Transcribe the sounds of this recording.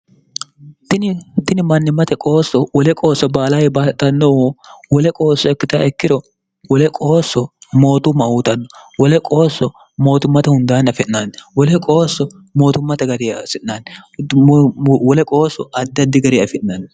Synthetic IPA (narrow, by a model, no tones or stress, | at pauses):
t̪ɪnt̪ɪnɪmɐnːɪmːɐt̪ɛkʼoːsːɔwɔlɛkʼo̞ːsːɔbaːlajɛbaːt̪ʼːɐnːɔwwɔlɛkʼo̞ːsːɔɛkːɪt̪aɛkːɪd̪ɔ | wɔlɛkʼoːsːɔmo̞ːt̪ʊmːɐuːt̪ɐnːɔwɔlɛkʼo̞ːsːɔ | mo̞ːt̪ʊmːɐt̪ɛhʊnd̪aːnɐfɛnːanwɔlɛkʼo̞ːsːɔ | mo̞ːt̪ʊmːɐt̪ɛɡɐɾɪsɪʔːaːn | wɔlɛkʼo̞ːsːɔɐd̪ːɐd̪ːɪɡɐɾɪɐfɪʔnɐn